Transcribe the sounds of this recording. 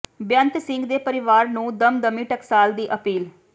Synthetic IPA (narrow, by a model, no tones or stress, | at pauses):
bjənt̪sɪ̃ŋɡd̪eːpəɾɪʋaːɾnũːd̪əmd̪əmiːʈəksaːld̪iːʔəpiːl